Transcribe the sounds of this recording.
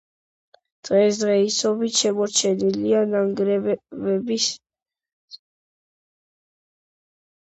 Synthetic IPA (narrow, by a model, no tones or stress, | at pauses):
d̪̥ʼʁɛsd̪ʁɛisɔbit̪ʃɛmɔɾt͡ʃʰɛnilianaŋɡɾɛvɛbis